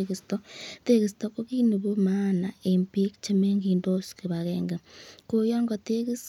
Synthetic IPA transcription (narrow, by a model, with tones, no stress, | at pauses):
ki˨stɔte˦ki˨stɔ˦ko˦ki˦nu˨bu˦ma˦na˨empi˦k̚t͡ʃe˦me˦ŋɡindo˦ski˨βakɛːŋɡe˨kojɔː˦ŋɡɔte˦ki˦s